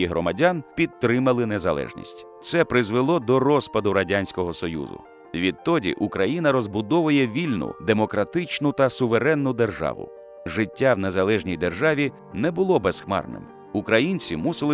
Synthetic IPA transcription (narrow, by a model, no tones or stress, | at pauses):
iɦɾɔmɐdʲanpʲid̪̚t̪ːɾɪmɐlˠɪnezɐlˠɛ̰ʒnʲḭsʲtʲ | t̪sɛpɾɪzʋelˠɔd̪ɔɾɔspɐd̪ʊɾɐdʲanʲsʲkɔɦɔsɔjṵzʊ̰ | ʋʲid̪̚t̪ɔdʲḭʔukɾɐjinɐɾɔzbʊd̪ɔʋʊjɛʋʲilʲnʊ̰d̪emɔkɾɐt̪ɪt͡ʃnʊt̪ɐsʊʋeɾɛnːʊd̪erʒɑ̰ʋʊ̰ | ʒɪtʲːawnezɐlˠɛʒnʲijd̪erʒɑʋʲi | nɛbʊlˠɔbɛsxmɑ̰rnɪ̰m | ukɾɐjinʲt͡sʲimusɪlˠ